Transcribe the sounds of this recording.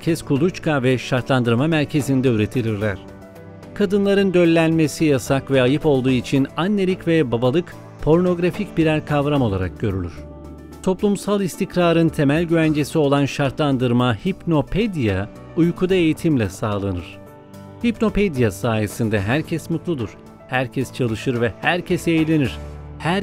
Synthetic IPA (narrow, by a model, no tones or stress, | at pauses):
cʰɛskʰulˠut͡ʃkʰavɛʃaɾt̪lˠand̪ɯɾmamæɾcʰe̞zind̪ɛyɾe̞t̪ʰilʲiɾlʲæɾ̥ | kʰad̪ɯnlˠaɾɯnd̪ø̞lʲːænmesijasakvɛajɯpo̞lˠd̪uːit͡ʃʰinanːe̞lʲicvɛbabalˠɯk | pʰo̞ɾno̞ɡɾaficbiɾæɾkʰavɾamo̞lˠaɾak̚ɟø̞ɾylʲyɾ̝̥ | t̪ʰo̞plˠumsalˠist̪ʰikɾaːɾɯnt̪ʰe̞mælʲɟyvænd͡ʒe̞sio̞lˠanʃaɾt̪lˠand̪ɯɾmahipno̞pʰed̪ija | ujkʰud̪ae̞jit̪ʰimlʲɛsaːlˠanɯɾ̥ | hipno̞ped̪ijasaːje̞sind̪ɛɦæɾcʰɛsmut̪lˠud̪uɾ̥ | hæɾcʰɛst͡ʃʰalˠɯʃɯɾvɛhæɾcʰesɛːjlʲe̞niɾ̥hæɾ